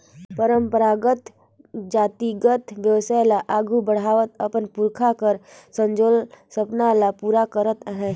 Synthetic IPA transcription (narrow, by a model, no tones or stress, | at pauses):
pəɾəmpəɾaːɡət̪ | d͡ʒaːt̪iɡət̪ʋjəʋsajlaʔaːɡʱubəɽ̤aːʋət̪əpənpʊɾkʰakəɾsə̃nd͡ʒoːlsəpnalapuːɾakəɾət̪ɦɛ̃